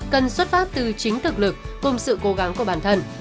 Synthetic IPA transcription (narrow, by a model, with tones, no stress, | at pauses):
kə˨˩nswə˦˥t̚faː˦˥p̚t̪ɨ˨˩t͡ɕï˨˦ŋ̟t̪ʰɨ˨˩k̚lɨ˨˩k̚ːʊ˨˧˩ŋ͡msɨ̰˧˨ko˨˦ɣa˨˦ŋku˧˩əɓaː˧˩nt̪ʰə˧˩n